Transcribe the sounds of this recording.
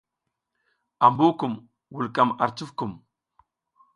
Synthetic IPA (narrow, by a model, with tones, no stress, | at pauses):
a˨mbu˦ku˨m | wu˨lka˨ma˨ɾt͡su˦fku˨m